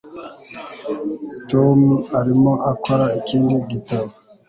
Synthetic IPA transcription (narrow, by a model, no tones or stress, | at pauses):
tomaɾimoʔakʰoɾaikindiɡitaβo